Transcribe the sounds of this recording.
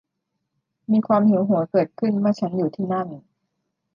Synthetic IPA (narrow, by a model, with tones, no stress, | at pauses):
miː˧kʰwaː˧mhi˨˩˦wɦu˩˦ɐkɤː˨˩t̪̚kʰɯ˥˩nwaː˥˩t͡ɕʰa˦˥njuː˨˩t̪ʰiː˥˩na˥˩ŋ